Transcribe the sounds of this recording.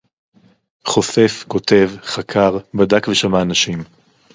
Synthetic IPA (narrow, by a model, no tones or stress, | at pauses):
χo̞se̞fko̞tʰe̞vχakʰaʁbadakveʃamaːnaʃim